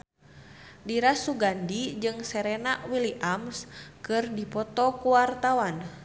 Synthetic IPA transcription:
diɾasuɡandid͡ʒɨŋsɛɾɛnaʔwiliʔamskɨrdipɔt̪ɔkuwart̪awan

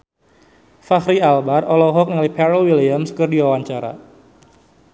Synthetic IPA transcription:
fahɾialbarɔlɔɦɔk̚nalipɛɾəlwiliamskərdiwawaɲt͡ʃaɾa̰

